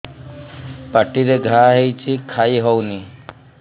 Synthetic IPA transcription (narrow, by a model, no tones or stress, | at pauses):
pəʈiɾeɡʱaɦejt͡ʃʰikʰaiɦɔwni